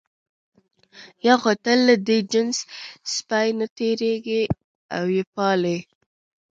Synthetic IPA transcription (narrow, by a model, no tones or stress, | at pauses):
jɑɣot̪əlːəd̪ed͡ʒənsspajnat̪eɾeɡe | a̰wjepɑle